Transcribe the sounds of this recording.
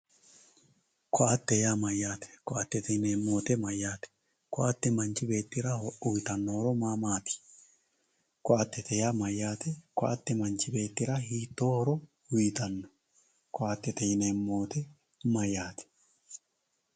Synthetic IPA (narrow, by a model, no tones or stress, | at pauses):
kɔʔat̪ːɛjamɐjːaːt̪ɛ̥kɔʔat̪ːɛt̪ɛnemːoːt̪ɛmɐjːaːt̪ɛ̥ | kɔʔat̪ːɛmɐnt͡ʃɪbeːt̪ːɪɾaʊjt̪ɐnːoɾɔmaːmaːt̪i̥ | kɔʔat̪ːɛt̪ɛjamɐjːaːt̪ɛkɔʔat̪ːɛmɐnt͡ʃɪbeːt̪ːɪɾahiːt̪ːoːhɔɾɔ | ʊjt̪ɐnːɔ̥ | kɔʔat̪ːɛt̪ɛjɪnemːoːt̪ɛ | mɐjaːt̪ɛ̥